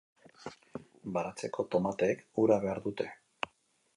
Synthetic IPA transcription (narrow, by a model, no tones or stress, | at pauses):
baɾat͡se̞ko̞t̪o̞mat̪ekuɾaβe̞aɾðut̪e̞̥